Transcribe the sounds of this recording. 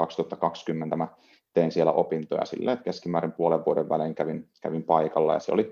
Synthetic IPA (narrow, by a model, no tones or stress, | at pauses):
ɑkst̪uhɑt̪ːɑkɑkskymːent̪æmæ | t̪einsielæʔopint̪ojɑ̰sḭlːḛet̪keskimæːɾimpuoleʋʋuodeʋʋæ̰leŋkæʋinkæʋimpɑikɑlːɑ̰jɑsḛo̰li